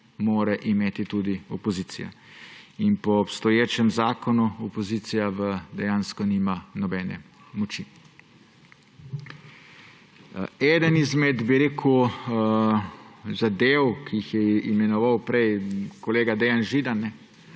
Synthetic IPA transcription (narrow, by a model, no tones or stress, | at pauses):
moːɾɛʔimeːt̪it̪ud̪iɔpɔziːt̪sḭja̰ | inpɔːpst̪ɔjeːt͡ʃɛmzaːkɔnuɔpɔziːt̪sijaʋəd̪ɛjaːnskɔniːmanɔbɛːnɛ̰ | mɔt͡ʃi | ɛːd̪ənizmɛd̪biɾeːkʰu | zad̪eːwkʰijixjɛimɛnɔʋawpɾɛjkoleːɡad̪ɛjanʒid̪anːɛ